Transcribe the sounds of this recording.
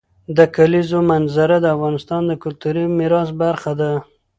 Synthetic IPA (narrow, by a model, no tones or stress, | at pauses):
d̪əkalizomanzaɾad̪əafɣɑnɪst̪ɑnd̪əkʊlt̪uɾimɪɾɑzbaɾxad̪a